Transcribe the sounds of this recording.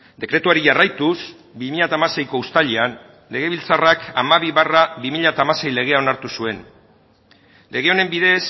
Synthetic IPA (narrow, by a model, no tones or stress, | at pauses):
d̪e̞kɾe̞t̪uaɾiʝarajt̪us | bimiʎat̪aːmase̞jko̞ust̪aʎian | le̞ɣ̞e̞βilt͡sarakamaβ̞iβaraβimiʎat̪aːmase̞jle̞ɣ̞e̞ao̞naɾt̪usue̞n | le̞ɣ̞e̞o̞ne̞mbiðe̞s